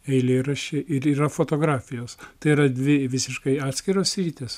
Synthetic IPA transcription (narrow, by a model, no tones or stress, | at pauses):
ɛɪlʲeːɾɐʃʲeʔɪɾiːɾɐfoːt̪oːɡɾɑːfʲɪjoːst̪ɐɪiːɾɐd̪ʲʋʲɪʋʲɪsʲɪʃkɐɪɑːt̪ʲsʲkʲɪɾoːsɾʲiːt̪ʲeːs